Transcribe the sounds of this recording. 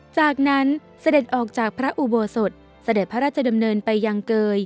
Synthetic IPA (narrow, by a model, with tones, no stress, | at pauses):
t͡ɕaː˨˩k̚na˦˥n | sa˧de˨˩t̪̚ʔɔː˨˩k̚t͡ɕaː˨˩k̚pʰɾa˦˥ʔu˨˧˩boː˧˩so˨˩t̪̚ | sa˧de˨˩pʰːa˦ɾaː˥˩t̪̚t͡ɕʰa˧da˧mnɤː˧npa˧jːa˧ŋkɤː˧j